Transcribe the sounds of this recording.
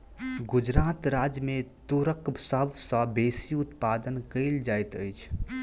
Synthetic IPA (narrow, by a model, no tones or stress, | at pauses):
ɡʊd͡ʒɾaːt̪ɾaːd͡ʒjəmẽt̪uɾəkbsəbʱsə̃beːsiʊt̪paːd̪ənkəɪld͡ʒaːjt̪əjt͡ʃʰ